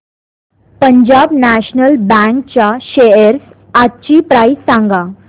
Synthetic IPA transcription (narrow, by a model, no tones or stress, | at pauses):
pəɲd͡ʑabnæɕnəlbɛ̃ŋk̚t͡ɕaɕeəɾs | atːt͡ɕipɾajsãŋɡa